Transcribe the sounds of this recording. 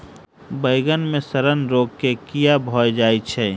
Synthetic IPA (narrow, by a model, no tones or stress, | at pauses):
bəɪɡənmẽsəɾənɾoːɡkekijabʱɔːjd͡ʒaːit͡ʃʰɛː